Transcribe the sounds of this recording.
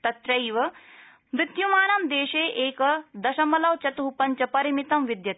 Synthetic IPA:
t̪ɐt̪ɾɐjʋɐ | mɾɪt̪jumaːnɐmd̪eːʃeːʔeːkɐd̪ɐʃɐmɐlɐwt͡ʃɐt̪uɦupɐɲt͡ʃɐpɐɾimit̪ɐmʋid̪jɐ

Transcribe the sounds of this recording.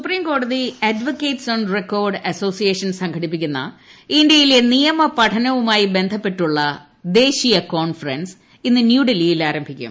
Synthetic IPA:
supriːmko̞ːɽɐðiɐdʋokːeːʈsoːɳɖrekːo̞ːrɖɐso̞ːsijeːʂɐnsɐŋkʰɐʈipːikʲːunːɐ̰indjɐjile̞nijɐmɐpɐʈʰɐnɐʋumaːjibe̞nd̪ʱɐpːe̞ʈːuɭːɐ | d̪e̞ːɕijɐkoːnfɐrɐns | inːɨnjuːɖelijilaːɾɐmbʱikʲːṵm

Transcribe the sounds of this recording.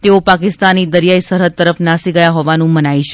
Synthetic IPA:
t̪eopakɪst̪anid̪əɾjaisəɾɦət̪̚ːəɾəfnasiɡəjaɦɔʋanũmənait͡ʃʰe̥

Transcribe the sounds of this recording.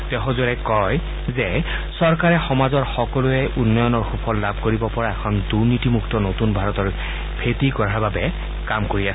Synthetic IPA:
tɛɦɔzoɹɛkɔj | zɛ | sɔɹkaɹɛxɔmazɔɹxɔkɔlʊɛʔunːɔjɔnɔɹxupʰɔllabʱkoɹibɔpɔɹaɛkʰɔnduɹnitimuktɔnotunbʱaɹɔtɔɹ | pʰetikɔɹaɹbabɛ | kamkoɹiasɛ

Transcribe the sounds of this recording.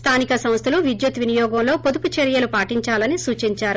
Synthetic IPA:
st̪ʰaːnikɐsɐm̃st̪ʰɐluʋid͡ʒ̪jut̪ʋinijɔːɡɐmlo̞ːpod̪uput͡ʃeɾjɐlupaːʈiɲt͡ʃaːlɐnisuːt͡ʃiɲt͡ʃaːɾu

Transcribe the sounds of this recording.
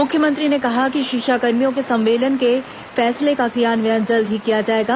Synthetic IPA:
mʊkʰjəmə̃nt̪ɾinekɐɦakiʃɪkʃakɐɾmijõkesɐ̃mʋeːlənke | fɛːslekakijaːnʋjãnd͡ʒəld̪ʱɦikːijad͡ʒaːeːɡaː

